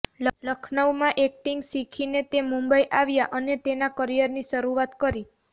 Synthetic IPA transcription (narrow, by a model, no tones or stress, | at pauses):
lələkʰnəʋmãʔek̚ʈiŋɡsikʰinet̪emũmbəiʔaʋjaʔənet̪enakəɾijəɾniʃəɾuʋat̪kəɾi